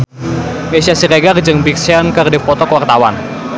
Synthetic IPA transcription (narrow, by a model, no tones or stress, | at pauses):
mesiasiɾeɡard͡ʒɨŋbik̚sankərdɛpɔt̪ɔkwart̪awan